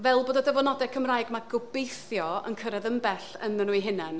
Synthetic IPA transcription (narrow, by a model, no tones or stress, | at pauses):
vɛlˠboːdɔdəvɔnɔdɛkʰəmrajɡmaɡʊbejθjɔə̰nkʰəɾɛðəmbɛɬənðənuiɦɪnɛn